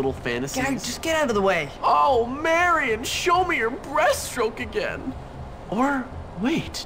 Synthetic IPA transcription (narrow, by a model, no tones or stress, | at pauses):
ɪɾl̩ˠfæ̃ñtɨsɡad͡ʒʌsɡ̥ɛɾaʊɾʌvðəweɪoʊmɛɹiɨ̃nʃoʊmijə˞bɹɛstɹ̥oʊkɨɡɛ̰̃n | ʔə˞ | weɪt